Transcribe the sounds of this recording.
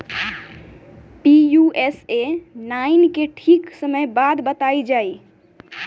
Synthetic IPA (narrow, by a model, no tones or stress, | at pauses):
pijuesenainkeʈʰiksəməjbad̪bət̪aid͡ʒai